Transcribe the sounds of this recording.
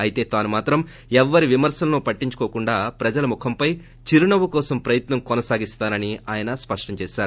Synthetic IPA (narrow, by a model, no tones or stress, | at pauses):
ɐjit̪e̞ːt̪aːnumaːt̪ɾɐm | ɛʋːɐɾiʋimɐɾsɐlɐnupɐʈːiɲt͡ʃu̥kɔːkuɳɖaːpɾɐd͡ʒɐlɐmukʰɐmpɐj | t͡ʃiɾunɐʋukɔːsɐmpɾɐjɐt̪nɐmkɔnɐsaːɡist̪aːnɐniaːjɐnɐspɐʂʈɐmt͡ʃɛːʃaːɾu